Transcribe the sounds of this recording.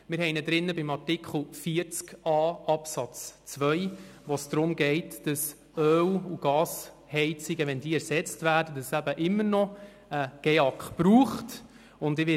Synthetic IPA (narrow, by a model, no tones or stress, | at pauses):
mɪɾhɛɪnədɾɪnːəbɪmɑrtɪkχl̩ˠfiːəɾt͡skɑːɑpsɑt͡st͡sʋœʏjʋɔsd̥ɾʊmɡɛɪtd̥əs | œːwuɡ̥ɑːs | hɛɪt͡sɪɡəʋɛndiːæɾsɛt͡stvæːɾdədəsæbəʔɪmːəɾnɔ | əɡ̥ɛɑkχpɾuːχt | ʊndɪʋɪ